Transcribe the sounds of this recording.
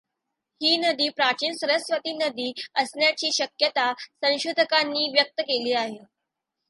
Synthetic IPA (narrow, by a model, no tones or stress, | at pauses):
hiːnəd̪iːpɾat͡ɕiːnsəɾəsʋət̪iːnəd̪iːəsnjat͡ɕiːɕəkjət̪asə̃w̃ɕud̪ʱəkanːiːʋjək̚t̪əkeliːaɦe